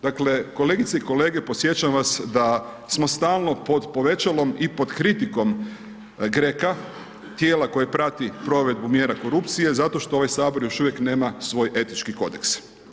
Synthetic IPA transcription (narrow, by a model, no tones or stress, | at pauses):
d̪akle̞ko̞le̞ːɡit̪seiko̞leːɡe̞posje̞t͡ɕaʋasd̪a | smo̞st̪aːlˠno̞po̞d̪po̞ʋe̞t͡ɕalo̞mipo̞d̪kɾit̪iko̞m | ɡɾeka | t̪je̞ːlako̞jepɾat̪ipɾo̞ʋe̞d̪̚bumje̞ːɾako̞ɾupt̪sije̞zat̪o̞ʃt̪ooʋajsaːbo̞ɾjo̞ʃuʋje̞kne̞ːmasʋo̞ːjʔe̞t̪nit͡ʃkiko̞̰d̪ḛks